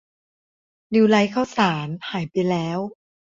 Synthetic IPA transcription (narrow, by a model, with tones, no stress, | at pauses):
li˧wla˦˥jkʰaː˥˩wsaː˩˦nhaː˩˦jpa˧jlɛː˦˥w